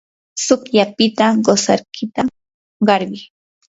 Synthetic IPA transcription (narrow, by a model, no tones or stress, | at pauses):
sʊkjapɪt̪aɢosaɾkʰɪt̪a | ɢɑɾɢɪ